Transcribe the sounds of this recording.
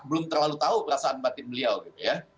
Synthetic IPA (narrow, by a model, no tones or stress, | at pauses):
bəlʊmt̪ərlalut̪aupəɾasaʔanbat̪ɪnbəliawɡit̪uja